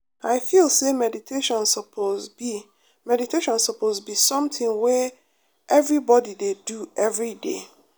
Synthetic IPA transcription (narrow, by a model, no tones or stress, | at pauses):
aɪfilˠsemɛditʰeʃɔ̃nsɔpʰozi | mɛditʰeʃɔ̃nsɔpʰozbisɔ̃mtʰĩŋwɛ | ʔɛvɹibɔdideduɛvɹidḛ